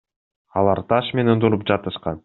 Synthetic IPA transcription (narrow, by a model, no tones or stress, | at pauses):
ɑlˠɑɾt̪ʰɑʃme̞nend̪uɾup̚d͡ʒɑt̪ɯʃqɑn